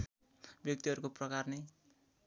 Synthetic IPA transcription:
bjʌk̚t̪iʌɾukoprʌkarnʌj

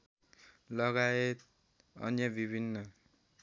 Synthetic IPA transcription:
lʌɡaet̪ | ʌ̰njabibʱinːʌ

